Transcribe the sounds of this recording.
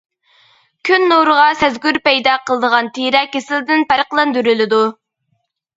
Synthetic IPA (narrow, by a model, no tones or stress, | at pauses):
kʲʰynːoɾʁɑsɛzɡʲyɾpɛjd̪ɑqʰəlˠəd̪əʁɑnt̪ʰiɾɛkʲesɪlɪd̪ɪnpæɾqlˠɑnd̪yɾylɪd̪u